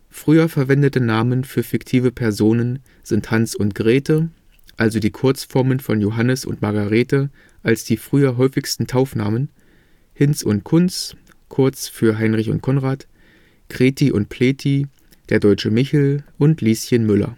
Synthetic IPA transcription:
fʁ̥yːɐfɛɐvɛndətənaːmənfyːɐfɪktʰiːvəpʰɛɐzoːnən | z̥ɪnthansʊntɡ̥ʁeːtʰə | ʔalzodiːkʰʊɐt͡sfɔɐmənfɔnjoɦanəsʊ̰ntmaɐɡaʁ̞eːtə | ʔalsd̥iːfʁ̥yːɐɦɔʏfɪçstn̩tʰaʊfna̰ːmən | hɪnt͡sʊ̰nt̚kʰʊnt͡s | kʰʊɐt͡sfyːɐɦaɪnʁɪçʊ̰nt̚kʰɔnʁaːt | ɡ̥ʁ̥eːtʰiʔʊnt̚pʰleːtʰi | d̥eːɐdɔʏt͡ʃəmɪçl̩ʔʊntʰliːsjənmʏlɐ̰

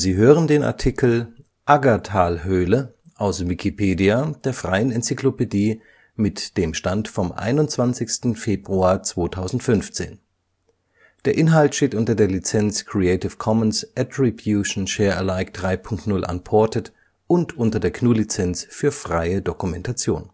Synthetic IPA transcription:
ziːɦøːʁəndeːna̰ɐtʰikl̩ | ʔaɡatʰaːlɦøːlə | ʔaʊsvikʰipʰeːdiad̥eːɐfʁ̥aɪənɛnt͡siklopediː | mɪtd̥eːmʃtantfɔmʔa̰ɪnʊntt͡sv̥ant͡sɪçstn̩feːbʁuaːɐt͡sv̥oːtʰaʊzn̩tfʏnft͡sḛːn | d̥eːɐʔɪnɦaltʃteːtʔʊntɐdeːɐlit͡sɛnt͡skʰʁ̥iɛɪtɪfkʰɔmənsʔɛtɹibjuʃn̩ʃɛːɐʔɛlaɪkd̥ʁaɪpʰʊŋktnʊlʔa̰npʰɔɐtət | ʔʊntʰʔʊntɐdeːɐkʰnuːlit͡sɛnt͡sfyːɐfʁ̥aɪədokumɛntat͡sjoːn

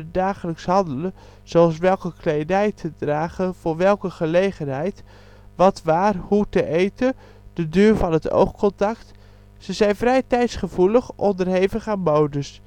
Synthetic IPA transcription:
daːχələksɦɑndələ | z̥oɑlˠs̬ʋɛlˠkəklejdɛjtʰədraːχəv̥ʊːɹʋɛlˠkəχəlejχənɦɛjt | ʋɑtʋaːrhutəʔejtə | d̥ədyːɹvɑnɦəto̰wχkɔntɑk̚t | səzɛjnvrɛjtɛjtsχəvuləχʔɔndərɦejvəχaːnmowdəs

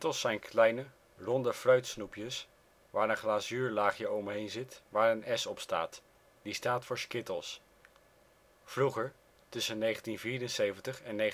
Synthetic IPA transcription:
təlˠsɛjnkʰlɛjnə | rɔndəfrœɥtsnupjəs | ʋaːɹənχlaːsyːɹlaːχjəɔmɦejnzɪtʋaːɹənɛsɔpsta̰ːt | distaːtfʊːɹskɪtəlˠs | v̥ruχəɹ | tɵsənːejχəntinviːɾənsejvəntəχɛnːe

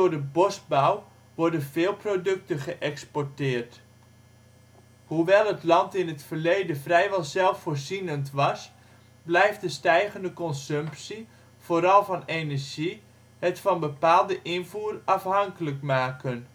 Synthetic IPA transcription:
dʊɹdəbɔsbaw | ʋɔɹdənvɪːlˠprodɵk̚təχəʔɛkspɔɹtɪːrt | huʋɛlˠətlɑntɪnɦətfərlejdənvrɛjʋɛlˠzɛlˠfoːrzinəntʋɑs | blɛjftdəstɛjɣəndəkɔnsɵmpsi | v̥oːɾɑlˠvɑnenərʒi | hətfɑnbəpaːlˠdəʔɪnvuːrɑfɦɑŋkələkmaːkən

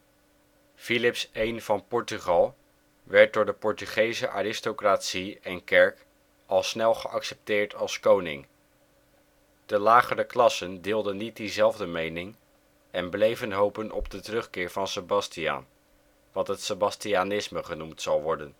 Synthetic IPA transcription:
filɪpsejnv̥ɑnpɔɹtyχɑlˠ | ʋɛɹt̚dʊːɹdəpɔɹtyχejzəʔaːɾɪstokraːtsiɛnkɛɹk | ɑlˠsnɛlˠχəʔɑksɛp̚tɪːɹtʰɑlˠskownɪ̰ŋ | d̥əlaːχərəklɑsəndɪːlˠdənːit̚dizɛlˠvdəmejnɪŋ | ɛnblejvənɦowpənʔɔ̰b̚dətərɵχkɪːɹvɑnsəbɑstia̰ːn | ʋɑtɦətsəbɑstianɪsməχənumtsɑlˠʋɔɹdən

